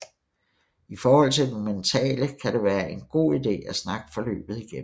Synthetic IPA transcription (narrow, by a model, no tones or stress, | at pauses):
ifɒːhɒ̽l̰t͡sʰe̝ld̥ement͡sʰɛ̰ːləkʰæɾeʋæːɐʔe̝nɡ̥o̝̰ːid̥e̝̰ːæsnɑ̈ɡ̥ə̥fɒ̽lø̰ːb̥ð̞̩ˠiɡ̥em̩